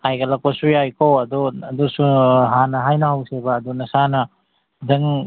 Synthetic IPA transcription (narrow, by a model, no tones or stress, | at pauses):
ajɡɐlɐk̚pɐsujajkowɐd̪uɐdusuɦanɐɦajnɐhawsebɐːdunɐsanɐ | dɐŋ